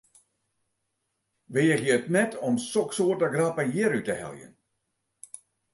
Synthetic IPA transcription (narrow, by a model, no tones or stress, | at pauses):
ʋejəχjəətnɛtʰɔmsɔksoːrtəɡrapəjiəɾytəhɛ̰lˠjə̰n